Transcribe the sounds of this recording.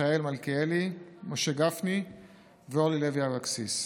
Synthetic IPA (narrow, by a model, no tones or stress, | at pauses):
aelmalkeelimoʃeɡafni | veolileviavaksis